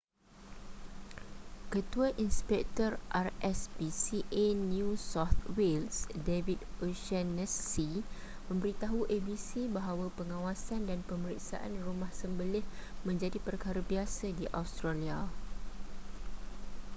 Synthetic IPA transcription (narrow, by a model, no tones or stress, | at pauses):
kət̪uaʔinspɛk̚t̪ɔrʔarɛsbisiʔenjũsɔt̪wilsdevituʃanɛsːi | mə̃mbəɾit̪aɦuʔebisibaɦawapəŋãwasandanpəməɾik̚sa̰ʔa̰nrumahsəmbəlɪhmə̃ɲd͡ʒadipərkaɾabiasadiʔawst̪ɾalia